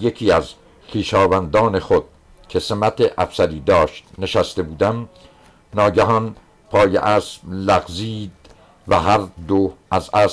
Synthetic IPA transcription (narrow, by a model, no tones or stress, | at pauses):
jecʰiːæz | xiːʃɒːvænd̪ɒːne̞xod̪̥̚ | cʰe̞semæt̪ʰeʔæfsæɾiːd̪ɒːʃt̪ne̞ʃæst̪e̞buːd̪æm | nɒːɟæɦɒn | pʰɒːjḛʔæːsmlæɣziːd̪ | væɦæɾd̪oʔæzæs